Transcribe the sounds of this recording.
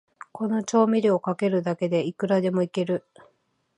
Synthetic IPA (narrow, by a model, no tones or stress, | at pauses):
ko̞no̞t͡ɕo̞ːmʲiɾʲio̞kake̞ɾɯ̟d̪ake̞d̪e̞ikɯ̟ɾad̪e̞mo̞ike̞ɾɯ̟